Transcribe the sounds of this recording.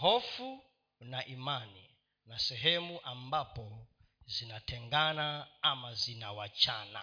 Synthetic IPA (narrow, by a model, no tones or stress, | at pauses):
ɦɔfu | naʔimani | nasɛɦɛmuʔambapɔ | zinatʰɛŋɡanaamazinawat͡ʃana̰